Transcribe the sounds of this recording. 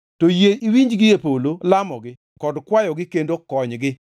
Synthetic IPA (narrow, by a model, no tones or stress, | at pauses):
tojeiwiɲd͡ʒɡɪepololamɔɡɪ | kɔdkwajɔɡɪkendokɔɲɡɪ